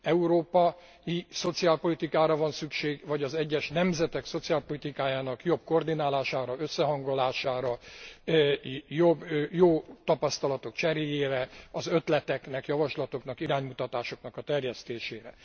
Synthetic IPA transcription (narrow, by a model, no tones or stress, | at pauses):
ɛuɾoːpɒ | iso̞t̪siaːlpo̞lit̪ikaːɾɒvɒnsykʃeːɡvɒɟɒzɛɟːɛʃnɛmzɛt̪ɛkso̞t̪siaːlpo̞lit̪ikaːjaːnɒkjo̞bko̞rd̪inaːlaːʃaːɾɒøsːɛɦɒŋɡolaːʃaːɾɒ | jobjoːt̪ɒpɒst̪ɒlɒt̪o̞kt͡ʃɛɾeːjeːɾɛɒzø̞t̪lɛt̪ɛknɛkjɒvɒʃlɒt̪o̞knɒkiɾaːɲmut̪ɒt̪aːʃo̞knɒkɒt̪ɛrjɛst̪eːʃeːɾɛ